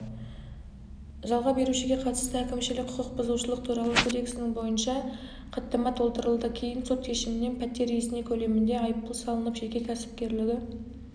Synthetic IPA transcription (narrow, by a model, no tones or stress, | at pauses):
ʒɑlˠʁɑbe̞ɾuʃɪɡʲe̞qʰɑt̪ə̥st̪əækʲɪmʃɪlɪkʲkʰʊqʰəq̚bʊzuwʃəlˠəq̚t̪ʰuɾɑlˠəkʰo̞d̪e̞ksɪnɪŋbo̞jənʃɑ | qʰət̪ːəmɑt̪ʰo̞lˠt̪əɾəlˠd̪əkʲʰe̞jɪnso̞t̪ʃe̞ʃɪmɪnːe̞npʰæt̪ːe̞ɾjesɪne̞kʲʰɵle̞mɪnd̪e̞ɑjəp̚t̪əlˠsɑlˠənəpʒe̞kʲe̞kʲʰæsɪ̥p̚kʲe̞ɾlɪɡʲɪ